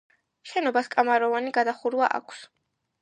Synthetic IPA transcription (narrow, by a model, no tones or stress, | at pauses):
ʃɛnɔbaskʼamaɾɔvaniɡad̪aχuɾwaʔa̰kʷʰs